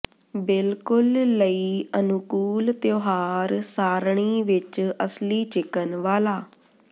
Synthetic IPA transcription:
bɪlkʊlːəiːənʊkuːlt̪joːɦaːɾsaːɾɳ̃iːʋɪt͡ʃəsliːt͡ʃɪkənʋaːlaː

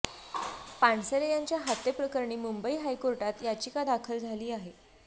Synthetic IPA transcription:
paɳsəɾejaɲt͡ɕjaɦat̪ːepɾəkəɾɳiːmumbəiːɦajkoɾʈat̪jat͡ɕikad̪akʰəld͡zʱaliːaɦe

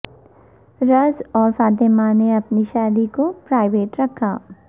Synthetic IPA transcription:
ɾɐzɔːɾfaːt̪emaneɐpniʃaːd̪ikopɾaːɪʋeːʈɾɐkʰːaː

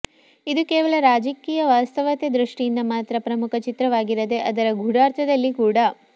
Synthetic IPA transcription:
id̪ukɛːʋɐɭɐɾaːd͡ʒɐkiːjɐʋaːst̪ɐʋɐt̪ed̪ɾuʂʈijind̪ɐmaːt̪ɾɐpɾɐmukʰɐt͡ʃit̪ɾɐʋaːɡiɾɐd̪e̞ʔɐd̪ɐɾɐɡʱuɽaːɾt̪ʰɐd̪ɐlːikuːɽɐ

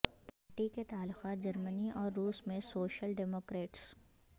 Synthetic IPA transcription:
paːɾʈiket̪aːlːʊqaːt̪̚d͡ʒɐɾməniʔɔːɾːuːsmẽsoːʃəlɖɛːmoːkɾeːʈs

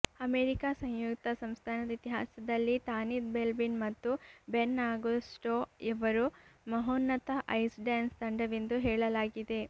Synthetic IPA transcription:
ɐmeːɾikaːsɐ̃ŋjukt̪ɐsɐmst̪ʰaːnɐd̪ɐit̪iɦa̰ːsɐd̪ɐlːit̪aːnid̪̚belbinmɐt̪ːubenːaːɡusʈoːiʋɐɾumɐɦoːnːɐt̪ɐʔɐjsɖaːnst̪ɐɳɖɐʋend̪uɦɛːɭɐlaːɡid̪e̞

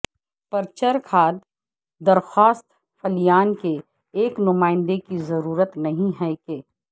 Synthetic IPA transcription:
pəɾt͡ʃəɾkʰaːd̪ | d̪ɐɾxaːst̪ | fʰɐlijaːnke | eːknʊmaːɪ̃nd̪ekizɐɾuːɾət̪nɐɦĩɦɛːkeː

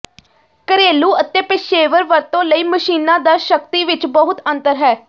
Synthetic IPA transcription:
kəɾeːluːət̪eːpɪʃeːʋəɾʋəɾt̪õːləiːməʃiːnãːd̪aːʃəkt̪iːʋɪt͡ʃbəɦʊt̪ənt̪əɾɦɛː

